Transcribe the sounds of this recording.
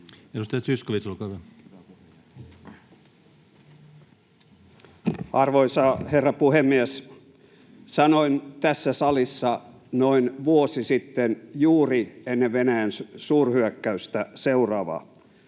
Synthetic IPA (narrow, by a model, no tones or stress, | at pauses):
edust̪ɑjɑt̪syskoʋit̪solkɑt̪ɑ | ɑrʋoisɑherːɑpuhemːies | sɑnoint̪æsːæsɑlisːɑ | noinʋuosisit̪ːenjuːrienːeʋʋenæjænssuːrhyøkːæyst̪æseurɑːʋɑ̰